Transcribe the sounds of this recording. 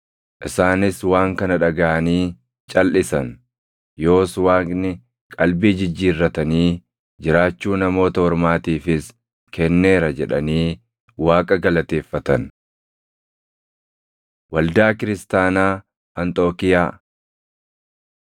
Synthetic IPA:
ʔɪsaːnɪswaːŋkɐnɐᶑɐɡɐʔɐniː | t͡ʃʼɐlʔɪsɐn | jo̞ːswaːknɪ | kʼɐlbiːd͡ʒɪd͡ʒːiːrːɐt̪ɐniː | d͡ʒɪɾaːt͡ʃːuːnɐmo̞ːt̪ɐhɔɾmaːt̪iːfɪs | kɛnːe̞ːɾɐd͡ʒɛᶑɐniː | waːkʼɐɡɐlɐt̪e̞ːfːɐt̪ɐn | wɐld̪aːkɪɾɪst̪aːnaː | ɐnt̪ʼo̞ːkɪjaː

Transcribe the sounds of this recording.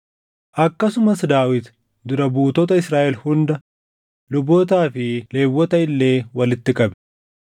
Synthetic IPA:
ʔɐkːɐsʊmɐsd̪aːwɪt̪ | d̪ʊɾɐbuːt̪ɔːt̪ɐɪsɾaːʔɛlhʊnd̪ɐ | lʊboːt̪aːfɪle̞ːwːɔt̪ɐɪlːe̞ːwɐlɪt̪ːɪkʼɐbɛ̥

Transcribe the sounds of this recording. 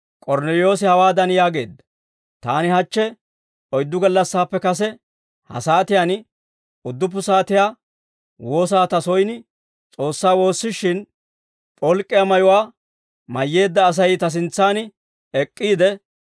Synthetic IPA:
kʼɔɾnɛlɪjo̞ːsɪhɐwaːd̪ɐnjaːɡe̞ːd̪ːɐ̥ | t̪aːnɪhɐt͡ʃːɛ | ɔjd̪ːʊɡɐlːɐsːaːpːɛkɐs̬ɛ | hɐ̰saːt̪ɪjan | ʊd̪ːʊp̬ːʊsaːt̪ɪjaː | wo̞ːs̬aːt̪ɐsɔjnɪ | t͡sʼo̞ːsːaːwo̞ːsːɪʃːɪn | pʼɔlkʼːɪjamɐjʊwaː | mɐjːe̞ːd̪ːɐːs̬ɐjt̪ɐs̬ɪnt͡sːaːnɪ | ɛkʼːiːd̪ɛ

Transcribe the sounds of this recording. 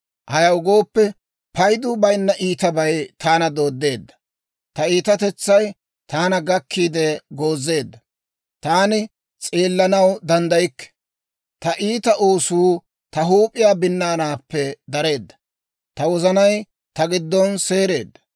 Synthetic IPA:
hɐjɐwɡo̞ːpːɛ | pɐjd̪uːbɐjnːɐʔiːt̪ɐbɐjt̪aːnɐd̪o̞ːd̪ːe̞ːd̪ːɐ̥ | t̪ɐiːt̪ɐt̪ɛt͡sːɐj | t̪ʰaːnɐɡɐkːiːd̪ɛɡo̞ːzːe̞ːd̪ːɐ | t̪aːnɪ | t͡sʼeːlːɐnɐwd̪ɐnd̪ɐjɪkːɛ̥ | t̪ɐʔiːt̪ɐʔoːsuː | t̪ɐɦuːpʼɪjaːbɪnːaːnaːpːɛd̪ɐɾe̞ːd̪ːɐ̥ | t̪ɐwɔzɐnɐj | t̪ɐɡɪd̪ːɔnse̞ːɾe̞ːd̪ːɐ̥

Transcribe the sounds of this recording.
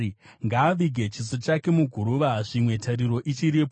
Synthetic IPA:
ŋɡaːʋiɡʱe̞t͡ʃisot͡ʃake̞muɡʱuɾuʋaʐimwe̞taɾiɾo̞ʔit͡ʃiɾipo

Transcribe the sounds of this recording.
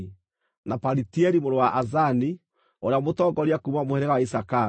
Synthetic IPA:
napaɾitiɛɾimoɾowaʔazani | oɾeamotɔɡɔɾiakumamohɛɾɛɣawaisaka

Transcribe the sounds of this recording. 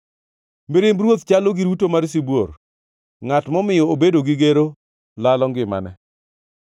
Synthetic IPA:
miɾɪmbɾwot̪t͡ʃaloɡiɾutomaɾs̬ibwor | ŋatmɔmɪjɔobedoɡɪɡeɾo | lalɔŋɡɪma̰nɛ

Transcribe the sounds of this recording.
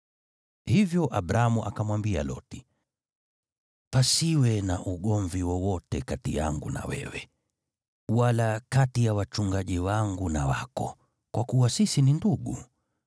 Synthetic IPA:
hivjɔʔabɾamuʔa̰kamwambia̰lɔ̰ti̥ | pasiwɛnaʔuɠɔɱviwɔwɔtɛkatḭja̰ŋɡṵna̰wɛ̰wɛ | walakatijawat͡ʃuŋɡaʄiwaŋɡunawa̰kɔ̰ | kwakuwasisininduɠṵ

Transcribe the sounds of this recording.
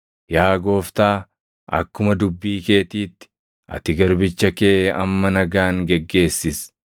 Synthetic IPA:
jaːɡo̞ːft̪aː | ʔɐ̰kːʊmɐd̪ʊbːiːke̞ːt̪iːt̪ːɪ̥ | ʔɐ̰t̪ɪɡɐɾbɪt͡ʃːɐke̞ːʔɐmːɐnɐɡaːŋɡɛɡːe̞ːsːɪs

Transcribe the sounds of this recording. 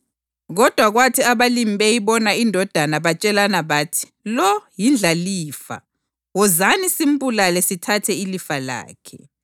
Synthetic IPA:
ɣɔd̥ʱwaɣwatʰiaβalimɓɛjiβɔnaindʱɔd̥ʱanaβat͡ʃʼɛlanaβaːtʰi̥ | lɔjind͡ɮʱaliːfa̰ | wɔzanisim̩bulalɛsitʰatʰɛilifala̰ːkʰɛ̰

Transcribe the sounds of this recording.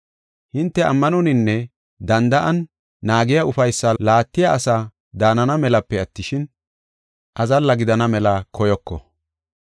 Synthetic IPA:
hɪnt̪ːɛʔɐ̰mːɐnɔnɪnːɛ | d̪ɐnd̪ɐʔɐnː | aːɡɪjɐʊfɐjsːɐlaːt̪ːɪjaʔɐsa | d̪aːnɐnɐmɛlɐpːɛɐt̪ːɪʃɪn | ʔɐzɐlːɐɡɪd̪ɐnɐmɛlɐkʰɔjɔkːɔ̰

